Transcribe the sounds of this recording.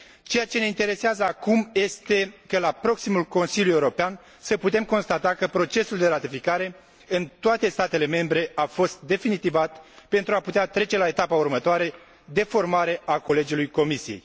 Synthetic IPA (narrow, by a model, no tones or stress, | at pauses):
t͡ʃe̞jat͡ʃene̞int̪e̞ɾe̞seazəakumje̞st̪e̞kəlapɾo̞ksimulko̞nsiljujeuɾo̞pean | səput̪e̞mko̞nst̪at̪akəpɾo̞t͡ʃe̞suld̪e̞ɾat̪ifikaɾe̞ | ɨnt̪oat̪e̞st̪at̪e̞le̞me̞mbɾe̞ʔafo̞st̪d̪e̞finit̪ivat̪pe̞nt̪ɾuaput̪eat̪ɾe̞t͡ʃe̞lae̞t̪apaurmət̪oaɾe̞ | d̪e̞fo̞rmaɾe̞ʔako̞le̞d͡ʒilujko̞misije̞j